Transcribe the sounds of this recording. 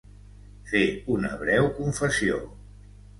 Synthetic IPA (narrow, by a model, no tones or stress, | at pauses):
feunə̰βɾɛwkuɱfəsio̰